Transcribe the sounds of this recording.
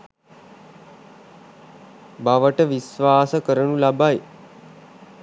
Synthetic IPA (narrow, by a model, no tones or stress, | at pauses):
baʋəʈəʋisʋaːsəkəɾənulabaj